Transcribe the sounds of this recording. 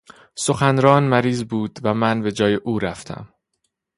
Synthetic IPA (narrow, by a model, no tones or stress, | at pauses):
so̞xænɾɒːnmæɾiːzbuːd̪̥væmænbe̞d͡ʒɒːjeʔuːɾæft̪ʰæ̰m